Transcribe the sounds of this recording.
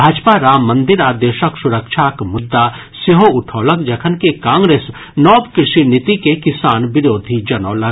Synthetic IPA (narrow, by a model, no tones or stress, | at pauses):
bʱaːd͡ʒpaɾamɐ̃nd̪ɪɾaːd̪eːʃəksʊɾəkʃʰakmʊd̪ːa | seɦoʊʈʰoːləkd͡ʒɐkʰənkekãːŋɡɾeːs | nɔːpkɾɪʃinɪt̪ikekɪsaːnʋɪɾoːd̪ʱid͡ʒɐnɔːlɐ